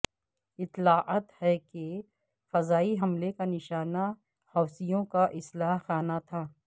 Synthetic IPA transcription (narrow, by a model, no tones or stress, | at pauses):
ɪt̪ːlaːʔaːt̪hɛke | fɐzaːiɦɐmlekanɪʃaːna | hɔːsijõkaʔɪslaːɦxaːnat̪ʰaː